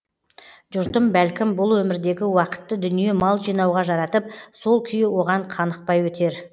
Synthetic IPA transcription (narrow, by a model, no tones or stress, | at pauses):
ʒʊɾt̪əmbælkʲɪmbʊlˠwɵmɪɾd̪e̞ɡʲɪwɑqə̥t̪ːəd̪ʏnije̞mɑlˠʒijnɑwʁɑʒɑɾɑt̪əp̚so̞lˠkʲʰʏjɪwo̞ʁɑɴqʰɑnəq̚pɑjwɵt̪e̞ɾ